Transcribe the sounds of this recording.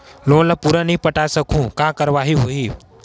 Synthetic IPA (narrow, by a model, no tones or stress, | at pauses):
lõːlɐpuɾanɐɦĩpəʈaːsəkũkãːkəɾʋaːɦiɦoiː